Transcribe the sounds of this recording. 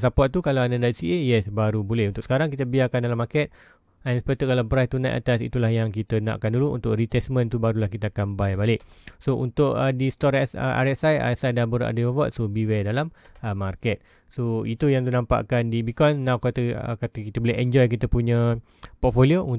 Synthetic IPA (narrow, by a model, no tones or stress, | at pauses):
sapɔʔ̚t̪ukalaadadat̪siejɛsbaɾubolɛhunt̪ʊkʔsə̥kaɾaŋkit̪əbiakandalamakɛt̪̚ | ɛnsə̥pət̪ukalapɾaht̪unãʔa̰t̪asḭt̪ulahjaŋkit̪ənã̰ʔa̰kanduluʔṵnt̪ʊʔrit̪ɛsmə̃nt̪ubaɾulahkit̪əakanbajbalɪʔsoʔṵnt̪ʊkədist̪ɔɾɛsə̰ʔa̰ɾɛsaja̰ɛsajdabəɾa̰dəwavɔt̪sobiwɛdalaməmarkɛt̪̚ | soit̪ujaŋt̪unãmpa̰ʔkandibikɔsnãwkat̪əə̰kat̪əkit̪əbolɛɦɛnd͡ʒɔjk̬it̪əpuɲə̃ | pɔt̪̚folioun